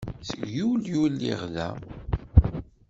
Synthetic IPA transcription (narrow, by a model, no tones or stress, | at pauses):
θəɡjuljulːḭʁlæ̰